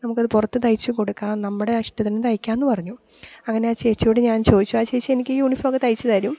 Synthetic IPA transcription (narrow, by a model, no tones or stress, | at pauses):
nɐmukːɐðɨpurɐt̪ːɨt̪ɐjit͡ɕːuko̞ɽukːaːnɐmːuɽe̞ɐʂʈɐt̪ːɐnːet̪ɐjikʲːaːenːɨpɐrɐɲːu | ɐŋːɐne̞aːt͡ɕe̞ːt͡ɕːuoɽeɲaːnt͡ɕo̞ːd̪it͡ɕːuaːt͡ɕe̞ːt͡ɕːɨe̞nikʲːɨjuːɳifoɡet̪ɐjit͡ɕːɐðaːɾum